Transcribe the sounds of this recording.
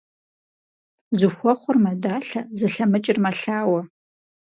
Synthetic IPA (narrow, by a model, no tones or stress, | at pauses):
zɨxʷɔχʷʊrmɐdaːɬɐzɨɬɐmɨt͡ʃʼɪrmɐɬaːwɐ